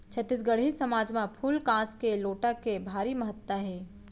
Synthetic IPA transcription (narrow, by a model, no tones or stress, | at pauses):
t͡ʃʰət̪ːis̬ɡəɽɦisəmaːd͡ʒmãpʰuːlkãːskeloːʈakebʱaːɾiməɦət̪ːəɦɛː